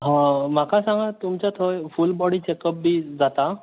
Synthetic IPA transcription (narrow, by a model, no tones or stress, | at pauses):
ɦãmakasãŋɡat̪umt͡ɕat̪ʰɔjfulbɔɽiːt͡ɕekəp̚bʱiːd͡zat̪a